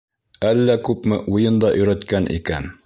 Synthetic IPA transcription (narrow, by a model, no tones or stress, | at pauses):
ælːækʉpmɘʔujɤnd̪ɑʔɵ̆jɾæt̪kænʔḭkæn